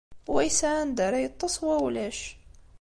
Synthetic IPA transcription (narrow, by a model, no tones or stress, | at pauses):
wæjsaʕænd̪əɾajət̪ˤːɑsˤwæwlæʃ